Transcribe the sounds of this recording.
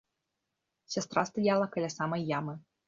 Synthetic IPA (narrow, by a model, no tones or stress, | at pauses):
sʲast̪ɾast̪ajalˠɐkɐlʲasamɐjːamɨ